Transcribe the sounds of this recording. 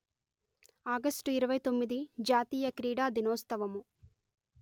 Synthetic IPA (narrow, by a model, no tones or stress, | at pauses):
aːɡɐsʈuiɾɐʋɐjt̪o̞mːid̪id͡ʒaːt̪iːjɐkɾiːɽaːd̪inɔːst̪ɐʋɐmu